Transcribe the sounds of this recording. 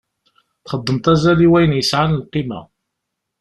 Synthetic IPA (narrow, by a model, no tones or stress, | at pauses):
θχəd̪ˤːəmt̪ˤæzæliwæjnjəsʕanəlqːimæ̰